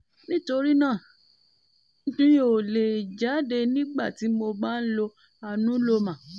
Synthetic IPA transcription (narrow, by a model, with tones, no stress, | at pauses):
nĩ˦to˧ɾi˦nãː˦˨ | n̩˦tũ˦jo˦˨le˨d͡ʒa˨˦de˧nĩ˦ɡ͡ba̰˦˨ti˨˦mo˧ba˦˨n̩˦lo˧ | a˧nũ˨˦lo˧mã˨